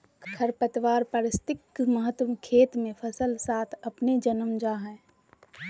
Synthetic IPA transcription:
kʰəɾpət̪ʋaːɾpəɾɪst̪ɪkməɦət̪ːəmkʰeːt̪mẽpʰəsəlsaːt̪ʰɐpned͡ʒənəmd͡ʒaːɦɛ̃ː

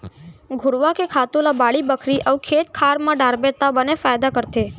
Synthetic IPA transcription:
ɡʱʊɽʋakekʰat̪olabaɭibəkʰɾiʔəʋukʰet̪kʰaɾmãɖaɾbet̪abənefajd̪akəɾt̪e

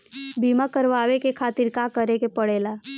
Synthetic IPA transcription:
biːmakəɾʋaːʋekekʰaːt̪ɪɾkaːkəɾekepəɽeːlaː

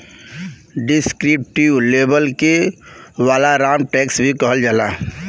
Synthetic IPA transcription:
ɖɪskɾɪp̚ʈiʋleːbəlkeʋaːlaɾaːmʈeːksbʱikəɦəld͡ʒalaː

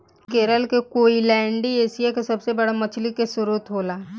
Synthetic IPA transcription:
keːɾəlkekoːilɛ̃ːɳɖieːsijakesɐbsebɐɽamɐt͡ʃʰlikesʊɾuːt̪ɦoːlaː

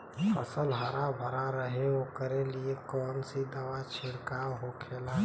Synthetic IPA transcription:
pʰə̰səlɦəɾabʱəɾaɾəɦeokəɾeliekɔːnsid̪əʋat͡ʃʰɪɽkaɦokʰela

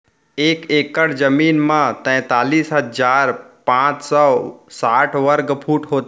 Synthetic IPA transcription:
eːkeːkəɽd͡ʒəmiːnmãt̪ɛ̃ːt̪aːliːsɦəd͡ʒaːɾpãːt͡ʃsɔːsaːʈʰʋəɾɡpʰuːʈɦoːt̪

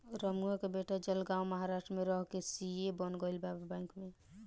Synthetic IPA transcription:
ɾəmuakebeʈʰad͡ʒəlɡãũməɦaɾaʃʈɾəmeɾɔɦkesiebənɡəɪlbabbãɪ̃kme

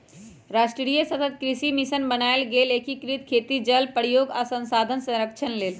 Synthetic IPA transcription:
ɾaːsʈɾɾijəsət̪ət̪̚kɾisimisənbənaelɡeːleːkʰikɾit̪̚kʰeːt̪id͡ʒəlpəɽ̤joːɡasə̃nsaːd̪ʱənsɐ̃ɾəkt͡ʃʰənleːl

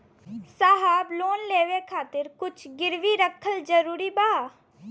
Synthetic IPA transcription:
saɦaːbloːnleːʋekʰaːt̪ɪɾkʊt͡ʃʰɡɪɾʋiːɾəkʰːəld͡ʒəɾuːɾiːbaː

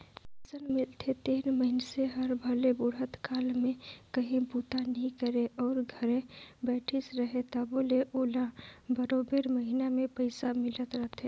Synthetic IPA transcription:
pəsənmɪlt̪ʰet̪iːnməɦɪnseɦɐɾbʱəlebʊɽɦət̪kaːlmẽkəɦĩbuːt̪anəɦĩkəɾeɔːɾɡʱəɾẽbɛːʈʰisɾəɦet̪aboːleʔoːlabəɾoːbeɾməɦinamẽpəɪsamɪlət̪ɾəɦt̪ʰe

